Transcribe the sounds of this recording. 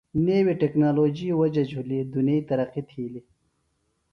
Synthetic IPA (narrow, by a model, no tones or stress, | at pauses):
neːwiʈeknaːloːd͡ʑiwɐd͡ʒɐd͡ʑʱulid̪unɐit̪ɐɾɐqit̪ʰiːli